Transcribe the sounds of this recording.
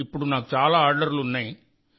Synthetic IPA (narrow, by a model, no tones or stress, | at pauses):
ɪpːɔɽũnaːkt͡ʃaːlaaːɾɖɐɾlʊnːẽː